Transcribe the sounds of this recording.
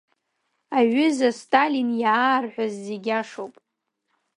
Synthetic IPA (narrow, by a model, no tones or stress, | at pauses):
aɥʏzastʼalinjaarħʷazːeɡʲaʂowpʼ